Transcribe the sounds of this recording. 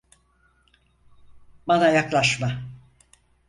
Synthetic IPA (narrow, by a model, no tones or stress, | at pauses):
banajaklˠaʃma